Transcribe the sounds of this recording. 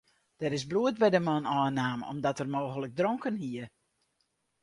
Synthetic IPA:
d̥ɛɾɪsbluət̚bɛjdəmɔnɔːnaːmɔ̰mdɔtərmoːɣələk̚droŋkənɦiə

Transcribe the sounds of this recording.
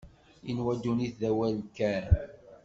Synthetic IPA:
inwæd̪uniθðæwælkæ

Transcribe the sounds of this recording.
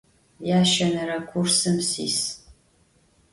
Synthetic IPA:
jaːʃɐnɨɾɐkʷʰursɨmsḭːs

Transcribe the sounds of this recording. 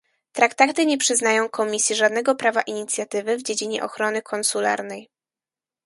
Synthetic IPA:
t̪ɾakt̪at̪ɘɲɛpʂɘznajɔ̃w̃kʰɔmʲisʲjɛʐad̪nɛɡɔpɾavaʔiɲit̪sʲjat̪ɘvɘvd͡ʑed͡ʑiɲɛ̰ʔɔxɾɔnɘkʰɔnsula̰ɾnɛj

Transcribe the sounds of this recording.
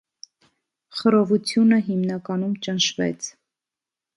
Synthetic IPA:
χəɾɔvut͡sʰjunəɦimnɑkɑnumt͡ʃənʃvɛ̰t͡sʰ

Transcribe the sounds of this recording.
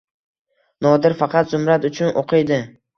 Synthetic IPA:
nɒd̪ɪɾfɑqʰɑt̪zʊmɾat̪ʊt͡ʃʰʊnʔoqʰɨjd̪ɪ

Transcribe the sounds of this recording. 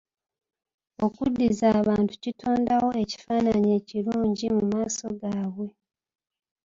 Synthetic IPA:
o̞kudːizaːβaːntu̥citʰo̞ːndawo̞e̞ci̥faːnaɲeːciɾuːɲɟimumaːso̞ɡaːβwe̞

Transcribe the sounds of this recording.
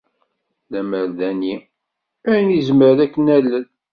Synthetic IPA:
læməɾðæni | æjnizməɾðækːənælːən

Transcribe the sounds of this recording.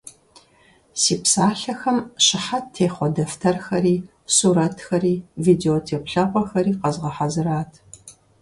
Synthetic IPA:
siːpsaːɬɐxɐmɕɪħattʰːeːχʷɔdɐftʰɐrxɐɾiː | suːɾɐtʰxɐɾiːviːdeoːtʰeːpɬɐqʷʼɔxɐɾiːqɐzʁɐħazɨɾaːtʰ

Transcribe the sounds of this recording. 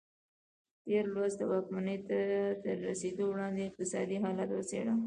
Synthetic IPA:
ʈeɾlwazd̪əwɑkmanəjt̪ad̪əɾːased̪owɽɑnd̪eɪq̚t̪ɪsɑd̪iɦɑlat̪wəsḛɽa

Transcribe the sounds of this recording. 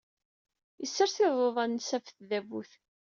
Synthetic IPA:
jəsːəɾθɪðˤoðˤɑnsæfθðævṵθ

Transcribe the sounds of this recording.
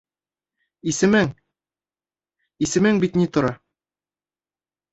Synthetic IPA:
isɘ̆mɘŋ | isɘ̆mɘŋbit̪nit̪ŏɾɑ

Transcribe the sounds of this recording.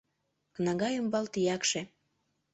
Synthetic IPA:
kənɑɣɑjəmbɑlt̪ijɑkʃĕ

